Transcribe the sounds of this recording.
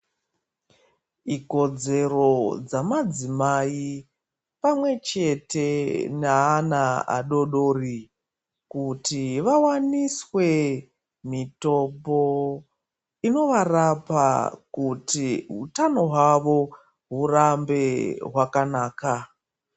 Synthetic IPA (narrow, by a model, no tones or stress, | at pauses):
iko̞d͡ze̞ro̞d͡zamad͡zimai | pamwe̞t͡ʃe̞te̞naːnaa̰ɗo̞ɗoːri | kutiʋawaniswe̞ | mito̞po̞ | ino̞ʋarapa̰kutiɦutano̞ɦwaʋo̞ | ɦurambe̞ɦwakanaːka